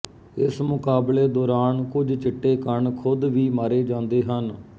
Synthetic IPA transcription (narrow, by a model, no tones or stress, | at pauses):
ɪsmʊkaːbleːd̪ɔːɾaːnkʊd͡ʒt͡ʃɪʈːeːkəɳkʰʊd̪ʋiːmaːɾeːd͡ʒãːnd̪eːɦən